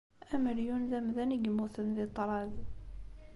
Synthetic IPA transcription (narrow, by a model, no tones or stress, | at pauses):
æməɾjunðæmðæniɡəmːuθənðit̪ˤːɾˤɑð